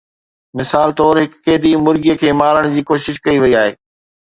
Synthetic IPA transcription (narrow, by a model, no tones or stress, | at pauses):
mɪsaːlt̪ɔːɾɦɪkːeːd̪imʊɾɡijəkʰeːmaːɾəɽ̃d͡ʑiːkoːʃɪʃkɐiʋɐiaːɦḛː